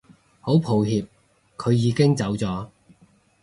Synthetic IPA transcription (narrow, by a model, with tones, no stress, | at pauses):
ho˨˥wpʰo˨˧wɦiː˧p̚ | kʰɵ˨˧ɥjiː˨˧kɪ˥ŋt͡sɐ˨˥wt͡sɔː˨˥